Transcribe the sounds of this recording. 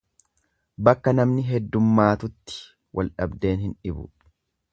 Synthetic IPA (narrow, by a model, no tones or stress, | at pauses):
bɐkːɐnɐmnɪɦɛd̪ːʊmːaːt̪ʊt̪ːɪ̥ | wʔɐ̰lᶑɐbd̪e̞ːnhɪnᶑɪbʊ̰